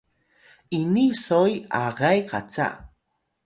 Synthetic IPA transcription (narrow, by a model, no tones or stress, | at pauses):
ʔinisoja̰ʁajqʰa̰t͡sa̰ʔ